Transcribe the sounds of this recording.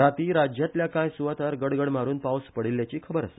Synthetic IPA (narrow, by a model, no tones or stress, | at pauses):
ɾat̪iːɾad͡ʑjat̪ljakãjsuʋat̪əɾɡəɽɡəɽmaɾuːnpawspəɽilːjat͡ɕiːkʰəbəɾəsə̥